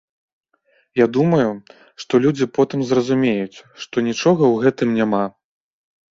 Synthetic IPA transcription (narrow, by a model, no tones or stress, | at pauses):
jad̪umɐju | ʂt̪ɔlʲud͡zʲipɔt̪ɨmzrɐzumʲejut͡sʲʂt̪ɔnʲit͡ʂɔɣɐwɣɛt̪ɨmnʲama